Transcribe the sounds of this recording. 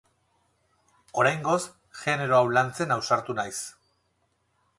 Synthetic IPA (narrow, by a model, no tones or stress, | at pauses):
o̞ɾajŋɡo̞s | ʝe̞ne̞ɾo̞awlant͡se̞nawsaɾt̪unajs